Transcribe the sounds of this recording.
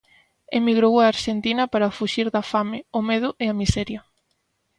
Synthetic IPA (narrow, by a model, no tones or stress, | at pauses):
emiɣɾowaːɾʃent̪inɐpaɾɐfuʃiɾðɐfamɪʊmeð̞ʊʔeɐmisɛɾjɐ